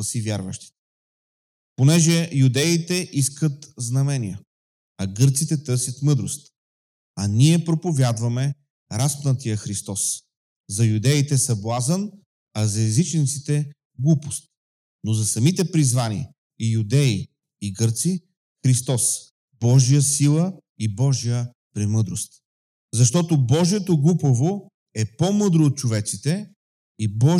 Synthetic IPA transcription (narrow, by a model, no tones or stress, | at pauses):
ɐsivʲjaɾvəʃt̪i̥t̪ɛ̥ | ponɛʒɛjud̪ɛit̪ɛʔiskət̪znɐmɛnʲijə | ɐɡɤɾt̪sit̪ɛt̪ɤɾsʲjət̪mɤd̪ɾo̰st̪ | ɐniɛpɾopovʲjad̪vɐmɛ | ɾaspnət̪ijəxɾist̪ɔs | zɐjud̪ɛit̪ɛsɐblˠazən | ɐzɐɛzit͡ʃnit̪sit̪ɛ | ɡlˠupo̥st̪̚ | nozɐsɐmit̪ɛpɾizvanḭ | ijud̪ɛiː | ɡɤɾt̪si | xɾist̪ɔs | bɔʒijəsilˠə | ibɔʒijə | pɾimɤd̪ɾost̪ | zɐʃt̪ɔt̪obɔʒiɛt̪oɡlˠupəvo | ɛpomɤd̪ɾoːt̪̚t͡ʃovɛt̪sit̪ɛ | ibɔ